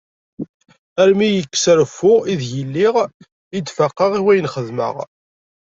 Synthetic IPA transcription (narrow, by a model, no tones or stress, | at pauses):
æɾmijəkːsɾfːʊʁiðjəlːiʁ | id̪fəqːɑʁiwæjənχəðmə̰ʁ